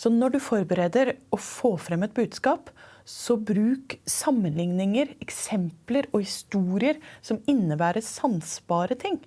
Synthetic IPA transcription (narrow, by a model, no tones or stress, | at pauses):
sɔnɔɖʉfɔɾbəɾeːd̪əɾɔfoːfɾɛmːɛt̪̚bʉːd̪skɑːpsɔbɾʉːksɑmːənlɪŋnɪŋəɾɛksɛmpləɾɔhɪst̪uːɾɪəɾsɔmɪnːəbæːɾəsɑnsbɑːɾət̪ʰɪŋː